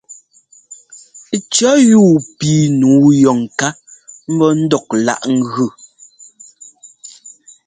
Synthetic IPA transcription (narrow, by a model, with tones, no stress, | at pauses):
t͡ʃɔ˦juː˦˨piː˨nuː˨˦jɔ˨ŋ˨ka˦ | m̩˦bɔ˦n̩˦dɔ˨k̚la̰˦˨ʔŋ̩˦ɣʉ˦˨